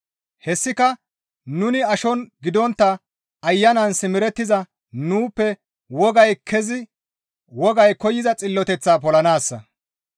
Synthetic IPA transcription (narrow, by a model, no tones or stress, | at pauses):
hɛsːɪkɐ | nʊnɪɐʃɔnɡɪd̪ɔnt̪ːɐ | ɐjːɐnɐnsɪmɪɾɛt̪ːɪzɐ | nuːpːɛ | wɔɡɐjkʰɛzɪ | wɔɡɐjkɔjɪzɐt͡sʼɪlːɔt̪ɛt͡sːaːpɔlɐnaːsːɐ̰